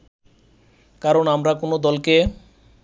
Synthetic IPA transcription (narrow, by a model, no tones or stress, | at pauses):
kaɾonamɾakonod̪ɔlke